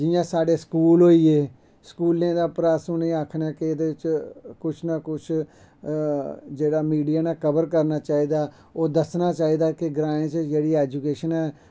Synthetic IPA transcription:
d͡ʒɪjãːsaːɖeːskuːlɦoːiːeː | skuːlẽːd̪aːpɾaːsõːnĩːaːkʰːnaːkɪd̪eːɪt͡ʃkʊt͡ʃʰnakʊt͡ʃʰ | d͡ʒeːɽaːmiːɖijaːnaːkəbəɾkəɾnaːt͡ʃaːiːd̪aː | oːd̪əsnaːt͡ʃaːiːd̪aːkɪɡɾãːẽt͡ʃd͡ʒeːɽiːɛːd͡ʒukeːʃənɛː

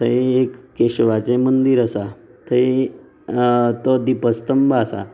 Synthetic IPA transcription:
t̪ʰəeekːeɕʋat͡semənd̪iɾasat̪ʰəi | t̪ɔd̪ipəst̪əmbaːsa̰

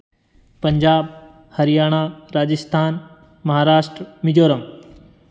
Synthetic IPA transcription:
pɐɲd͡ʑaːb | hɐɾɪjaːɽ̃aːɾaːd͡ʑɪst̪ʰaːn | mɐɦaːɾaːʃʈɾmid͡ʑoːɾəm

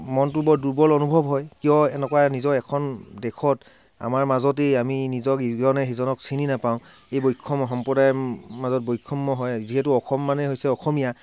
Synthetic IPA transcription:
mɔntʊbɔɹduɹbɔlɔnubʱɔbɦɔjkijɔɛnɛkwanizɔɹɛkʰɔndɛkʰɔt | a̰maɹmazɔt̬eaminizɔkiɡɔɔnɛɦizɔnɔksʰininapaʊ̃ | ejbojkʰːɔmɔɦɔmpɔdajmazɔt̚bojkʰːɔmːɔɦɔjziɦɛtʊɔxʰɔmːanɛɦojsɛɔxɔmija

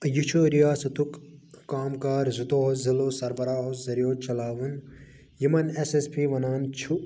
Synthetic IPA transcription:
jut͡ʃʰoɾijaːsɐt̪ukːaːmkaːɾzut̪oːɦziloːsɐɾbɐɾaːɦozɐɾjoːt͡ʃɐlaːʋɨn | jimɐnesespʰiːʋɐnaːnt͡ʃʰu

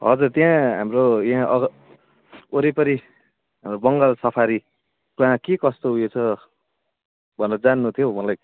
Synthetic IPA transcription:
ɦʌ̰d͡zurt̪jãɦamrojãɦãʔʌɡ | oɾipʌɾi | ɦamrobʌŋɡʌlsʌpʰaɾi | kãɦãkekʌst̪oɦujet͡sʰʌ | bʱʌneɾʌd͡zanːut̪ʰijomʌlaj

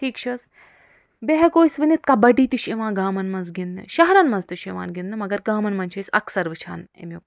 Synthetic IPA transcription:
ʈʰiːkt͡ʃʰɐs | beɦɐɡoːjsʋɐnit̪̚kɐbɐɖiːt̪iʃeʋãːɡaːmɐnmɐnzɡind̪ɐ̰ʃɐɦɐɾɐnmɐnzt̪iʃeʋa̰ːnɡind̪ɨmɐɡɐɾɡaːmɐnmɐnt͡ʃʰɐjsɐ̰ksɐɾʋɨt͡ʃʰa̰ːnḛmju

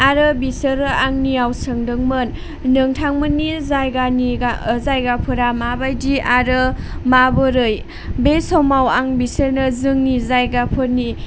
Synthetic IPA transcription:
aɾɯbisɯɾɯaŋniawsɯŋdɯŋmɯn | nɯŋtʰaŋmɯnːizajɡaniazajɡapʰɯɾamabajdiaɾɯ | mabɯɾɯj | besɔmawaŋbisəɾnɯzɯŋnizajɡapʰɯɾni

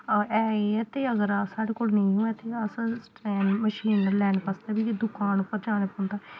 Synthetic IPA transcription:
ɛːeɛːt̪eːəɡəɾsaːɽeːkoːlnə̃ĩũːɛːt̪eːəsãsʈɛːnməʃiːnəɾlɛːɳpəst̪aːbiːed̪ʊkaːnʊpːəɾd͡ʒaːneːpõːnd̪aː

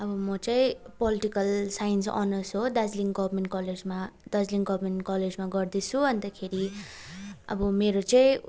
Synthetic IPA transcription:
ʌbʌmʌt͡saĩpʌliʈikʌlsajnsʌ̰nʌsɦod̪ad͡zliŋɡʌbmeɳʈkʌled͡zmad̪ʌd͡zliŋɡʌbʱmeɳʈkʌled͡zmaɡʌrd̪it͡sʰuʌnd̪akʰeɾi | ʌ̰bʌmeɾot͡saĩ

